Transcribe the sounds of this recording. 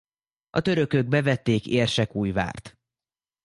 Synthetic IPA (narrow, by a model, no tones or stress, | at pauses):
ɒ̰t̪ø̞ɾø̞køɡ̚bɛvɛt̪ːeːkeːrʃɛkuːjva̰ːrt̪